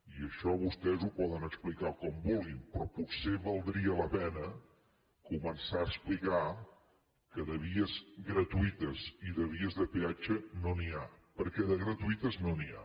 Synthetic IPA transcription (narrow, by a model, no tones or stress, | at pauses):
iəʃɔβust̪ɛzupɔðənəksplikakɔmbulˠɡimpɾɔputseβəlˠd̪ɾiələpɛnə | kumənsaəsplika | kəðəβiəzɡɾət̪uit̪əziðəβiəzðəpeat͡ʃənoniapəɾkɛðəɣɾət̪uit̪əznonia̰